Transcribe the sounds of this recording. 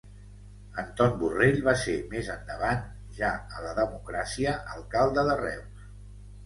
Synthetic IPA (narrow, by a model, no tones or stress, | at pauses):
ənt̪ɔnbureʎβasemezənd̪əβ̞an | ʒaələðəmukɾasiəʔəlˠkalˠd̪əðərɛ̰ws